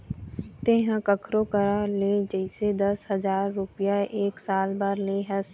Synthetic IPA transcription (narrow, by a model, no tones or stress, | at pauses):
t̪eɦãkəkʰɾokəɾaled͡ʒəɪsed̪ɐsɦɐzaːɾːʊpɪjaeːksaːlbəɾleːɦɛ̃s